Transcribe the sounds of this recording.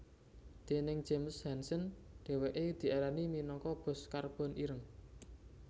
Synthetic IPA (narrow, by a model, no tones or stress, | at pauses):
d̪̥e̤nɪŋ̥d͡ʒ̥emshɛnsənɖ̪̥ɛ̤weʔed̪̥i̤eɾaniminɔkɔb̥ɔ̤skarb̥ɔ̤nʔiɾəŋ